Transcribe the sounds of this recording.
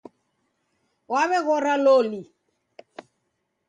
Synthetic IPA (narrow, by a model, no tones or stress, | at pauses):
waβɛɣɔɾaloli